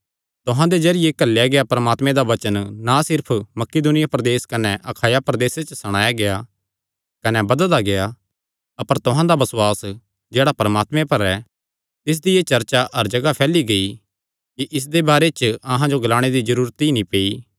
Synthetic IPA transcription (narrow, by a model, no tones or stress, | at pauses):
t̪ʊɦãd̪ed͡ʒɐɾɪjekɐlːejaɡeapɐɾəmaːt̪mẽd̪aʋɐt͡ʃənːasɪɾpʰmɐkɪd̪ʊnɪjapɾɐd̪eːskɐnɛʔɐkʰaːjapɾɐd̪eːset͡ʃsɐɽ̃aːjaɡeja | kɐnɛbɐd̪əld̪aɡea | ɐpəɾt̪ʊɦãd̪abɐsʊaːs | d͡ʒeːɽapɐɾəmaːt̪mẽpɐɾɛ | t̪ɪs̬d̪iet͡ʃɐɾt͡ʃaʔɐɾd͡ʒɐɡapʰɛːliɡɐi | kiʔɪs̬d̪ebaːɾet͡ʃɐɦãd͡ʒoɡɐlaːɽ̃ed̪id͡ʒɐɾuːɾt̪inĩpeːi